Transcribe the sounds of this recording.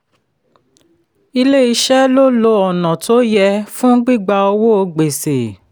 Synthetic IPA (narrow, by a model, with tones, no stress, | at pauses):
i˧le˦i˧ʃɛ˦lo˦lo˧ɔ˨nã˨to˨˦jɛ˧fũ˦ɡ͡bi˦˨ɡ͡ba˧o˧wo˦o˧ɡ͡be˨se˨